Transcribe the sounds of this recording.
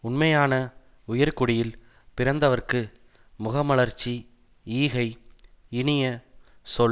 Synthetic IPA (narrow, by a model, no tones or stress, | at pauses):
ʊnmɐjaːnɐ | ʊjɐɾkʊɽɪjɪl | pɪɾɐnd̪ɐʋɐrkɯ | mʊɣɐmɐɭɐɾt͡ʃːi | iːɣɐɪɪɳɪjɐsɔɭ